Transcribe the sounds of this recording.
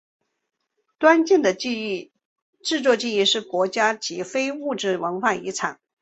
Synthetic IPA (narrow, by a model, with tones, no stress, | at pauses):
t̪wa˥nt͡ɕi˥˩d̪ə˩˥˧ | ʈ͡ʂɻ̩˥˧t͡swɔ˥˧t͡ɕi˥˧i˥˧ʂɻ̩˥˩kwɔ˧˥t͡ɕja˥t͡ɕi˧˥fe˥ɪu˥˧ʈ͡ʂɻ̩˥˩wə˧˥nxwa˥˩ḭ˧˥ʈ͡ʂʰɑ˨˩˦ŋ